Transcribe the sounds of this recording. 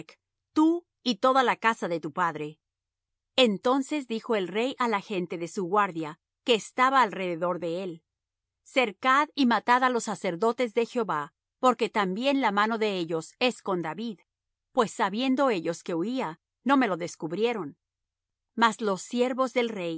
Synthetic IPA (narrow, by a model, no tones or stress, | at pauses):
k | t̪u | it̪o̞ðalakasaðe̞t̪upaðɾe̞ | ent̪o̞nse̞zd̪ixo̞e̞lre̞jʔalaxe̞nt̪e̞ðe̞suɣwaɾðja | ke̞ːst̪aβaːlre̞ðeðo̞ɾðe̞e̞l | se̞ɾkaðimat̪aðalo̞sːase̞ɾðo̞t̪e̞zðe̞xjoβa | po̞ɾke̞t̪ambje̞nlamano̞ðe̞eʝo̞se̞sko̞nd̪aβið | pwe̞sːaβje̞nd̪o̞e̞ʝo̞ske̞uia | no̞me̞lo̞ðe̞skuβɾje̞ɾo̞n | mazlo̞sje̞ɾβo̞zðe̞lre̞j